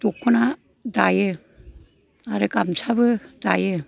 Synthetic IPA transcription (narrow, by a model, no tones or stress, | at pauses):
tɔkʰːɯna | daje | aɾɯkamsabɯdaje